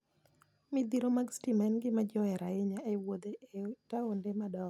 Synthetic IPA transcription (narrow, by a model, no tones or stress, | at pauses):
mɪd̪iɾomaɡstimɛnɡɪmad͡ʒɔɛɾaɪɲaewod̪eetaondemadɔ